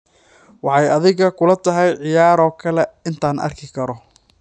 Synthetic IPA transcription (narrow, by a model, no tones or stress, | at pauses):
wɑħɑjɐðɪɣɐkʰʊlɐt̪ʰɐɦɛjʕɪjaːɾɔːkʰɐlɛɪnt̪ʰaːnʔɐ̰rkʰɪkʰɐɾɔ